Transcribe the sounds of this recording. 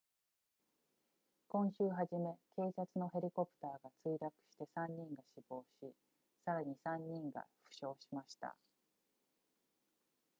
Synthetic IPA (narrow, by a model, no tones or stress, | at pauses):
kõ̞ɰ̃ɕɨːɦaʑime̞ke̞ːsat͡sɨno̞ɦe̞ɾʲiko̞pɯ̥t̪aːɡat͡sɨiɾakɯ̟̥ɕi̥t̪e̞sãɲ̟ːĩŋɡaɕibo̞ːɕi | saɾaɲ̟isãɲ̟ːĩŋɡa̰ɸɯ̟̥ɕo̞ːɕimaɕi̥t̪a̰